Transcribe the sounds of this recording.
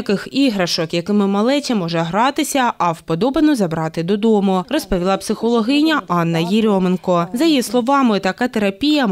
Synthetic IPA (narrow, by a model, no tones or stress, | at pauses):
kɪxiɦɾɐʃɔkjɐkɪmɪmɐlˠɛtʲimɔʒɛɦɾɑt̪ɪsʲɐɐwpɔd̪ɔbenɔzɐbɾɑt̪ɪd̪ɔd̪ɔmʊrɔspɔʋʲilˠɑpsɪxɔlˠɔɦɪnʲɐʔɑnːɐjiɾʲɔmenkɔzɐjjislˠɔʋɑmɪt̪ɐkɑt̪eɾɐpʲijɐ